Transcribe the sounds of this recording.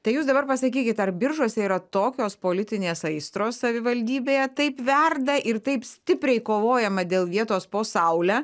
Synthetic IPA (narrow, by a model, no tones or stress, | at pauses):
t̪ɐɪjuːsd̪ɐbɐrpɐsɐkʲiːkʲɪt̪ɐrbʲɪɾʒuɔsʲɛiːɾɐt̪oːkʲoːspoːlʲɪt̪ʲɪnʲeːsɐɪst̪ɾoːssɐʋʲɪʋɐlʲd̪ʲiːbʲeːjɛt̪ɐɪpʋʲɛrd̪ɐʔɪrt̪ɐɪpsʲt̪ʲɪpʲɾʲɛɪkoːʋoːjɛmɐd̪ʲeːlˠʋʲiɛt̪oːspoːsɐʊlʲæː